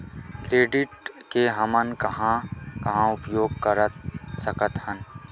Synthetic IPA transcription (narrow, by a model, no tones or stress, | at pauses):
kɾeːɖɪʈkeɦɐmənkɐɦãkɐɦãʊpjoːɡ̚kɐɾət̪̚sɐkət̪hɐn